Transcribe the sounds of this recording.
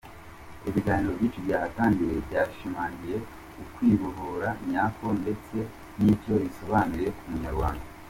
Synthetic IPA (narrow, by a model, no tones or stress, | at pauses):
iβiɡaːniɾo̞bɟiːt͡ʃubiahataːndiɾebɟaːʃimaːɲɡije̞ | ukwiːβuɾoɾaɲako̞nde̞t͡se̞ | nitjo̞βiso̞βanuɾe̞kumuɲaɾɡwa̰ːŋɡa